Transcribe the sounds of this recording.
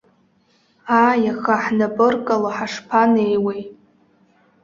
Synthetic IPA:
ajaxaħnapʼɨrkʼalaħaʂpʰanejwej

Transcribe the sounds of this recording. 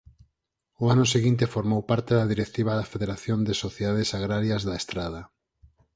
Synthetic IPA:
ʊanʊseɣint̪efoɾmowpaɾt̪eðɐðiɾek̚t̪iβɐðafeðeɾaθjond̪ɪsoθjeðað̞ɪsaɣɾaɾjazðaest̪ɾað̞ɐ

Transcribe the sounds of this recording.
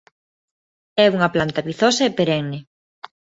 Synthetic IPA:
ɛuŋɐplant̪aβiθɔsaepeɾɛŋne

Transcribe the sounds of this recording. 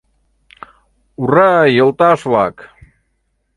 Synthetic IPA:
urajəlˠt̪aslak

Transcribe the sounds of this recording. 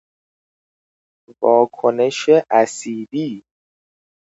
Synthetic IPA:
vɒːkʰone̞ʃeʔæsiːd̪iː

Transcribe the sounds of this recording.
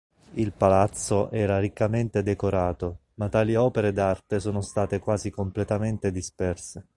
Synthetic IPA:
ilpalat̪sːoʔɛːɾaɾikːament̪ed̪ekoɾaːt̪o | mat̪ːaːliɔːpeɾed̪art̪esɔːnost̪aːt̪ekwaːzikomplet̪ament̪ed̪ispɛrse

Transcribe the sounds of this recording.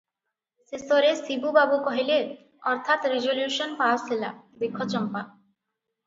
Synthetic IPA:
sesoɾesibubabukɔɦile | ɔɾt̪ʰat̪ɾid͡ʑoljuʃɔnpasela̰ | bikʰːot͡ɕɔmpa

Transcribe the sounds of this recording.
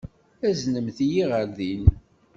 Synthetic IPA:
æznəmθjiʁəɾðin

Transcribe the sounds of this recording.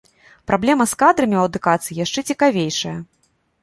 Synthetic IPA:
pɾʔablʲɛmɐskad̪ɾɐmʲiwɐd̪ukat̪sɨjijaʂt͡ʂɛt͡sʲikavʲejʂɐjɐ

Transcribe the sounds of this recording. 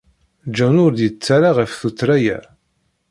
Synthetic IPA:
d͡ʒænʊɾd̪jət͡sːaɾaʁəfθut͡sːɾæjæ̰

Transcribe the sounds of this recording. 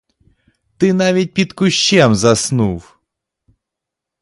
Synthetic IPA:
t̪ɨnavʲit̚ʲpʲit̪kʊɕːɛmzasnuw

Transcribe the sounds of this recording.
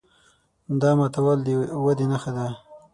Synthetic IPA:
d̪ɑmat̪awald̪ewad̪enaxad̪a

